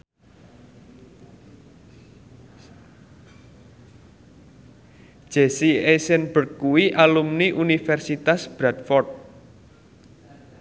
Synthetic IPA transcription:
d͡ʒ̥esiesɛnbə̤rkkuwiʔalumniʔunifɛrsit̪asb̥ɾat̪̚fɔrt̪̚

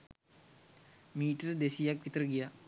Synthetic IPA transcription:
miːʈəɾəd̪esijakʋit̪əɾəɡija

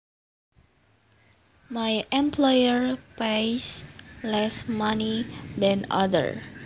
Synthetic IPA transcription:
majʔɛ̃mpʰlɔjəɹpejslɛsmãnidɛ̃na̰də̰ɹ

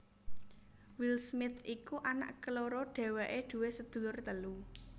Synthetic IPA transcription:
wilsmɪt̪ʰikuʔana̰ʔkəloɾɔɖ̥ɛ̤wɛʔeɖ̪̥ṳwesəd̪̥ṳlʊrt̪əlu

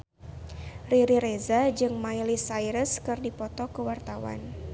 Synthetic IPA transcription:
riɾiɾezad͡ʒɨŋmajlisajɾəskɨrdipɔt̪ɔkəwart̪awa̰n

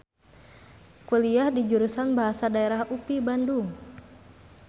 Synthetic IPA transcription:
kuliahdid͡ʒuɾusanbaɦasadaeɾahʔupibanduŋ

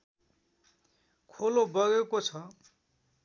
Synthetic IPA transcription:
kʰolobʌɣekot͡sʰʌ

